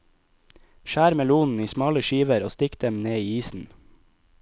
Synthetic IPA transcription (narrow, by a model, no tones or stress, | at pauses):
ʃæːɾmɛluːnn̩iːsmɑːləʃiːʋəɾoːst̪ɪkd̪̥ɛmneːiːiːsn̩